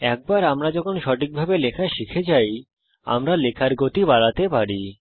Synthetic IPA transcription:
ɛk̚baɾamɾad͡ʑɔkʰonʃɔʈik̚bʱabelekʰaʃikʰed͡ʑaj | a̰mɾalekʰaɾɡot̪ibaɽat̪epaɽi

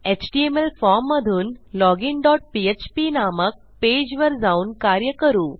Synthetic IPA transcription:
et͡ɕʈiemelfɔɾmːəd̪ʱuːnlɔɡiŋɖɔʈ̚piet͡ɕpinamək̚ped͡ʑʋəɾd͡zauːnkaɾjəkəɾuː

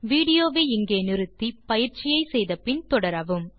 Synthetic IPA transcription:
ʋiːɽɪjoːʋeːɪŋɡeːnɪɾɯt̪ːipɐjɪɾt͡ʃɪjɐɪsɛjðɐpɪnt̪ɔɽɐɾɐʋɯm

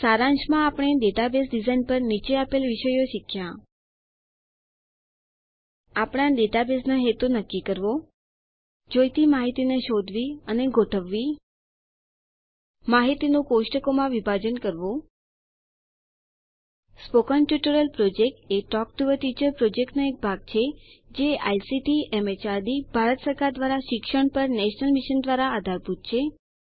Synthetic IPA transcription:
saɾãnʃmãapɽ̃eɖeʈabes̬ɖizainpəɾnit͡ʃeapelʋɪʃəjoʃikʰja | apɽ̃ãɖeʈ̪abesnaɦet̪unəkːikəɾʋo | d͡ʒojt̪imaɦit̪ineʃod̪ʱʋiəneɡʱoʈʰəʋːi | maɦit̪inũkoʃʈəkomãʋibʱad͡ʒənkəɾʋõ | spokənʈjuʈəɾəlpɾod͡ʒek̚ʈeʈɔk̚ʈuʋəʈid͡ʒəɾpɾod͡ʒekʈnoek̚bʱaɡ̚t͡ʃʰed͡ʒeajsiʈiemet͡ʃad̪ibʱaɾət̪səɾkaɾd̪ʋaɾaʃɪkʃəɳpəɾnɛʃnəlmiʃənd̪ʋaɾaːd̪ʱaɾbʱut̪̚t͡ʃʰe

